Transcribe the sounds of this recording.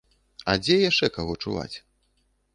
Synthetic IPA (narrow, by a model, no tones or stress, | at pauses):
ɐd͡zʲɛjaʂt͡ʂɛkaɣɔt͡ʂuva̰t͡sʲ